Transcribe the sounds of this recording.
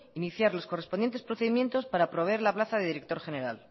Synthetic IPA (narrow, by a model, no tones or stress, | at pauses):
iniθjaɾlo̞skorespo̞nd̪jent̪espɾoθeðimje̞nt̪o̞spaɾapɾoβ̞eɾlaplaθaðe̞ðiɾek̚t̪o̞ɾxene̞ɾal